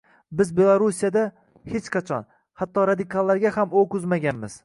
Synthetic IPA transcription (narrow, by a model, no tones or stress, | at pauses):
bɪzbe̞lˠaɾusijad̪a | het͡ʃqʰɑt͡ʃʰɒ̰n | hat̪ːɒɾad̪ɪkʰalˠːaɾɡʲahamokʊzmaɡʲanmɪz̥